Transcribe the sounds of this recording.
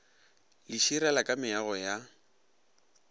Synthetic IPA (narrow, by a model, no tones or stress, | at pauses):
lɪʃiɾɛlakʼamɪaɣɔja